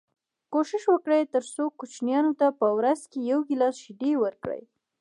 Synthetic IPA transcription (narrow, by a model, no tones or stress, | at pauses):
koʃɪʃwəkɽəjt̪əɾsokut͡ʃnjɑnot̪apəwɾazkejawɡɪlɑsʃɪd̪ewəɾkɽə̰j